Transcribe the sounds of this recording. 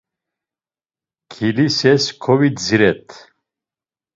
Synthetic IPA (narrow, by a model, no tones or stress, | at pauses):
kʰilisɛskʰɔvid͡ziɾɛt̪ʰ